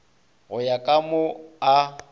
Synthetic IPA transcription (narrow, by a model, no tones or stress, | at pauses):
ɣʊjakʼamʊa